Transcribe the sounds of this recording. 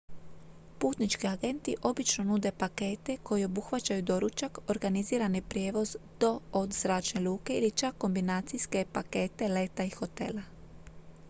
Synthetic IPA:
puːt̪nit͡ʃkiaɡe̞nt̪iʔo̞bit͡ʃno̞nud̪e̞pake̞ːt̪e̞kʰo̞jio̞buxʋat͡ʃajud̪o̞ɾut͡ʃako̞ɾɡaniziːɾanipɾje̞ːʋo̞zd̪̥o̞od̪z̥ɾaːt͡ʃne̞luːke̞ilit͡ʃakːo̞mbinaːt̪sijske̞pake̞ːt̪e̞le̞t̪aixo̞t̪e̞̰la

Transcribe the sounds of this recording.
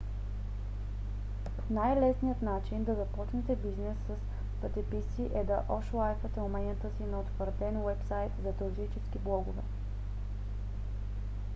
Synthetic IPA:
najlɛsnijət̪nat͡ʃind̪ɐzɐpɔt͡ʃnɛt̪ɛbiznɛsːɐs | pət̪ɛpisiʔɛd̪ɐʔɔʃlˠajfət̪ɛomɛnʲət̪əsinɐot̪xvəɾt̪ɛnwɛpsajt̪zɐt̪oɾzit͡ʃɛskiblˠɔɡʊvɛ̰

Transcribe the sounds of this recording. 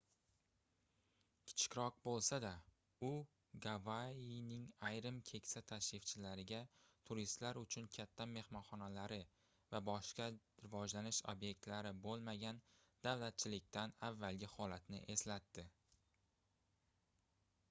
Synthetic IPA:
kʲʰɪ̥t͡ʃʰɪ̥kʲɾɒq̚bolˠsad̪a | ʊ | ɡavainɪŋajɾɪmkʲʰe̞kʲsat̪ʰaʃɾɪft͡ʃʰɪlaɾɪɡʲat̪ʰʊɾist̪laɾʊt͡ʃʰʊnkʲʰat̪ʰːame̞hmɒnχɒnalaɾɪ | vabɒʃqɑ | ɾɪvɒd͡ʒlanɪʃo̰bje̞k̚ʲt̪laɾɪbolˠmaɡʲan | d̪̥avlat̪̚t͡ʃʰɪlɪk̚ʲt̪anavːalɡʲɪhɒlat̪nɪ̰ʔe̞slat̪ːɪ

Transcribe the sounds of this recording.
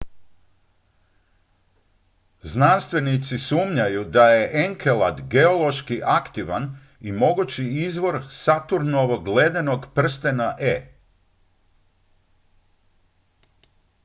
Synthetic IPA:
znanst̪ʋe̞nit̪sisuːmɲajud̪aje̞ʔeŋkʰelad̪ɡeo̞lo̞ʃkiʔakt̪iʋan | imo̞ɡut͡ɕiizʋo̞ɾsat̪uɾnoʋo̞ɡled̪eno̞ɡpr̩st̪enaʔe

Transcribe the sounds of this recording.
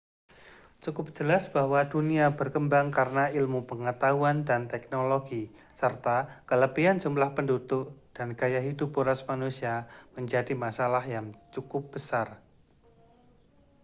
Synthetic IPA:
t͡ʃukʊp̚d͡ʒ̥əlasb̥ahwaduniabərkəmbaŋkaɾənailmupəŋət̪auandant̪ɛk̚noloɡi | sərt̪akələpiand͡ʒumlahpəndut̪ʊk̚d̥anɡ̥ajaɦidupuɾasmanusiaməɲd͡ʒadimasalahjaŋt͡ʃukʊp̚b̥əsar

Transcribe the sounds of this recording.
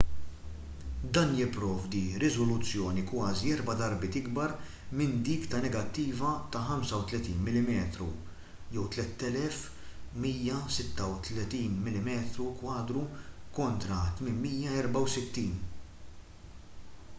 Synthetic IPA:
d̪ɐːnjɪpːɾɔːvd̪iɾɪzɔlʊt͡sːjɔːnikwɐːziɛɾbɐd̪ɐɾbɪːt̪ɪɡbɐɾ | mɪnd̪iːkt̪ɐnɛɡɐt̪ːiːvɐt̪ɐħɐmsɐwt̪lɛt̪iːnmɪlːɪmɛːt̪ɾṵ | jɛwt̪lɛt̪ːɛlɛf | miːjːɐsɪt̪ːɐwt̪lɛt̪iːnmɪlɪmɛːt̪ɾukwɐːd̪ɾukɔnt̪ɾɐt̪mɪnmiːjɐɛɾbɐwsɪt̪ːiːn

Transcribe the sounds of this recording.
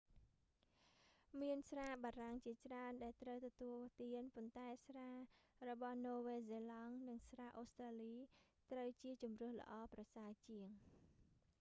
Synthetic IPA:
miənsraːɓaːraŋt͡ɕiət͡ɕraənɗaɛlt̪rəwt̪ɔt̪uəlt̪iənpont̪aɛsraːrɔɓɑhnoːʋeːzeːlɑŋnɨŋsraːʔoːst̪raːliː | t̪rəwt͡ɕiət͡ɕumrɨ̆əhlə̰̆ʔɑːprɑsaət͡ɕiəŋ

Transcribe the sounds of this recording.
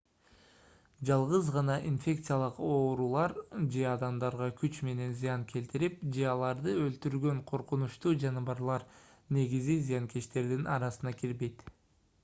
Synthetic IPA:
d͡ʒɑlˠʁɯzʁɑnɑʔinfʲe̞kt̪sɨjalˠɯqo̞ːɾulˠɑɾd͡ʒe̞ɑd̪ɑmd̪ɑɾʁɑkyt͡ʃme̞ne̞nzɨjɑŋkʰe̞lt̪iɾip̚d͡ʒe̞ɑlˠɑɾd̪ɯølt̪yɾɡø̞ɴqʰo̞ɾqunuʃt̪uːd͡ʒɑnɯβɑɾlˠɑɾ | ne̞ɡizizɨjɑŋke̞ʃt̪e̞ɾd̪inʔɑɾɑsɯnɑkiɾbe̞jt̪

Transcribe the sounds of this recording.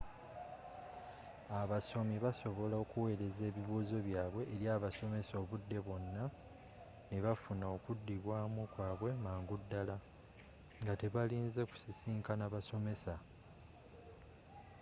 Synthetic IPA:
aβaso̞miβaso̞βo̞laokuwe̞ːɾe̞ze̞ːβiβuːzo̞βjaːβwe̞ʔːɾjaːβaso̞me̞so̞ːβudːe̞βo̞nːa | neβafunaokudːiβwaːmukwaːβwe̞maːŋɡudːala | ŋɡate̞βaliːnze̞ku̥sisiːŋkanaβaso̞me̞sa

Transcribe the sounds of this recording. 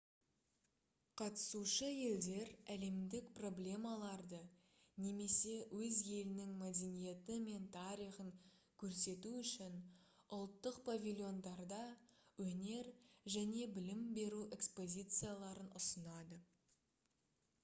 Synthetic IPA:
qʰɑt̪ə̥suʃəje̞ld̪e̞ɾæle̞md̪ɪkpro̞blʲe̞mɑlˠɑɾd̪ə | ne̞me̞se̞wɵzje̞lɪnɪŋmad̪enije̞t̪əme̞nt̪ʰɑɾijχəŋ | kʲʰɵɾse̞t̪uʏʃɪn | ʊlˠt̪ːəqpʰavʲilʲˠjo̞nd̪ɑɾd̪ɑwɵne̞ɾʒæne̞bɪlɪmbe̞ɾuʔe̞kspo̞zʲijt̪sɨjalˠɑɾənʊsənɑd̪ə

